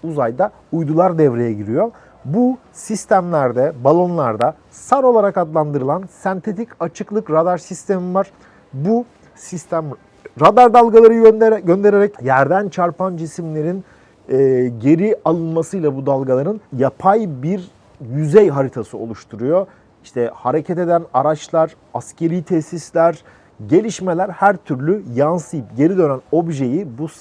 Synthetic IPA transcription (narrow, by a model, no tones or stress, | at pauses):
uzajd̪a | ujd̪ulˠaɾd̪ɛvɾe̞jɛɟiɾijo̞ | bu | sist̪ʰæmlʲæɾd̪ɛbalˠo̞nlˠaɾd̪a | saɾo̞lˠaɾakad̪lˠand̪ɯɾɯlˠansɛnt̪ʰe̞t̪ʰicat͡ʃʰɯklˠɯkɾad̪aɾsist̪ʰe̞mivaɾ̥ | bu | sist̪ʰæm | ɾad̪aɾd̪alˠɡalˠaɾɯnd̪ɟønd̪e̞ɾeɾɛcjæɾd̪ænt͡ʃʰaɾpʰand͡ʒisimlʲe̞ɾin | ɛːɟe̞ɾialˠɯnmasɯjlˠabud̪alˠɡalˠaɾɯnjapʰajbiɾ | jyzɛjɦaɾit̪ʰasɯo̞lˠuʃt̪ʰuɾujo̞ | iʃt̪ʰɛhaɾe̞cʰɛt̪e̞d̪ænaɾat͡ʃlˠaɾ̥ | ascʰe̞ɾijt̪ʰɛsislʲæɾ | ɟe̞lʲiʃme̞lʲæɾhæɾt̪ʰyɾlʲyjansɯjɯpɟe̞ɾid̪ø̞næno̞bʒe̞jibus